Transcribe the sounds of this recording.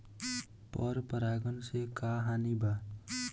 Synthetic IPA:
pəɾpəɾaːɡənsekaɦanibʱaː

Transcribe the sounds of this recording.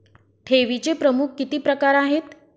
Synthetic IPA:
ʈ̪ʰeʋit͡sepɾəmukʰːit̪iːpɾəkaɾaɦet̪

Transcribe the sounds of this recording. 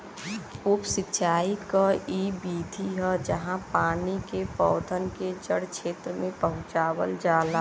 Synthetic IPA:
ʊpsɪtːʃʰaːikaiːbiːd̪ʱiɦɛd͡ʒəɦãpaːnikepɔːd̪ʱənked͡ʒəɽkʃeːt̪ɾəmẽpəɦʊ̃t͡ʃaːwə̰ld͡ʒaːlaː

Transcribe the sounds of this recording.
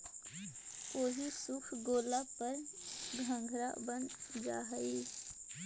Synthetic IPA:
oːɦisʊkʰɡoːlapəɾɡʱə̃ŋɡʱɾa̰bənd͡ʒa̰ːɦəiː

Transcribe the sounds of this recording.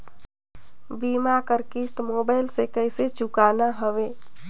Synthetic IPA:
bimakəɾkist̪mobajlsekəɪset͡ʃukanaɦəʋe

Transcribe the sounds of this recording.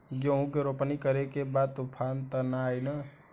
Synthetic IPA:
ɡoɦũkeɾopnikəɾekebad̪̚t̪upʰant̪ənajnə

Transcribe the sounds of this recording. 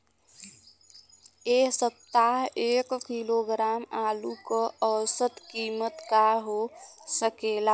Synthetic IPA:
eːsət̪ːaːɦeːkkiloːɡɾaːmaːlukəəsət̪kiːmət̪kaɦosəkeːla

